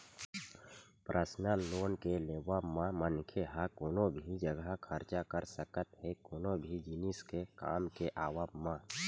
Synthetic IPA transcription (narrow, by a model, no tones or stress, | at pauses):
pɾʔəsnəloːnkeleːwamãmənkʰeɦakoːnobʱid͡ʒəɡakʰəɾt͡ʃakəɾsəkət̪ɦekoːnobʱid͡ʒinɪskeka̰ːmkeʔaːwabmã